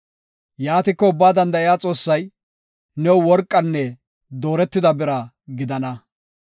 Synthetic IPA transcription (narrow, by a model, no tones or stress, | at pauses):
jaːt̪ɪkːɔʊbːaːd̪ɐnd̪ɐɪjaːt͡sʼo̞ːsːɐj | nɛwʊwɔɾkʼːɐnːɛ | d̪oːɾɛt̪ːɪd̪ɐbɪɾɐ | ɡɪd̪ɐnɐ